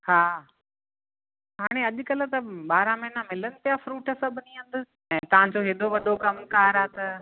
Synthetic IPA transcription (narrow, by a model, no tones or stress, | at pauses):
haː | ɦaːɽ̃eɐʄʊ̆kɐlə̆t̪ɐɓaːɾãmɐɦnamɪlənɪ̆pijafɾuːʈəsɐbʱɪniʊ̃nd̪ʊ̆ | ɛ̃ːt̪ɐʋ̤ãd͡ʑoɦɪɗ̪oʋɐɗokɐmkaːɾaːt̪ɐ